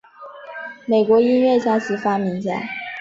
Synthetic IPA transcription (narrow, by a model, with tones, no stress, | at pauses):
me˨˩ɪkwɔ˧˥i˥nɥɛ˥˩ɕja˥˩sɻ̩˧˥fa˥mi˧˥ŋt͡ɕja̰˥˩